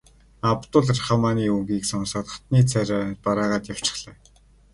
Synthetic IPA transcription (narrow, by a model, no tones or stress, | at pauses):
apt̪ʊːɮarχamaːniːɵŋɡiːksɔnsɔːt̪ɔ̥̆t̪niːt͡sʰæɾʲaːpaɾaːʁaːt̪jaw̥t͡ɕɪ̥̆χɮɛː